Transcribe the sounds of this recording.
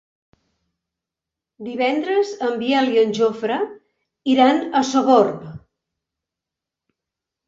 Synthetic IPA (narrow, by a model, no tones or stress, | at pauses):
d̪iβɛnd̪ɾəzəmbijɛliənʲʒofɾə | iɾanəsoβorp